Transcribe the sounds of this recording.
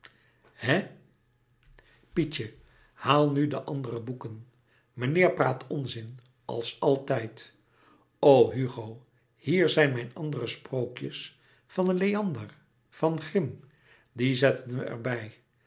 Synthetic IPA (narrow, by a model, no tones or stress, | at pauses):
hɛ | pit͡ʃə | haːlˠnydəʔɑndərəbukən | mənɪːɹpraːtʰɔnzɪn | ɑ̰lˠsɑlˠtɛjt | owɦyχow | hiːɹzɛjnmɛjnɑndərəsprowkjəs | fɑnənlejɑndər | fɑnχrɪm | dizɛtənʋəʔɛ̰ɹbɛj